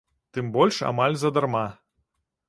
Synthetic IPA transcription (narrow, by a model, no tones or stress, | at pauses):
t̪ɨmbɔlʲʂa̰malʲzɐd̪arma